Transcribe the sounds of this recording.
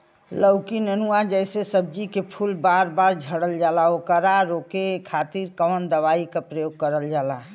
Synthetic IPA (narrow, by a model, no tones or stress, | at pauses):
ləʊkinənuad͡ʒəɪsesəb̚d͡ʒikepʰulbaɾbaɾd͡ʒʱəɽəld͡ʒalaokəɾaɾokekʰat̪iɾkəʋənd̪əβaikepɾəjoɡ̚kəɾəld͡ʒaːla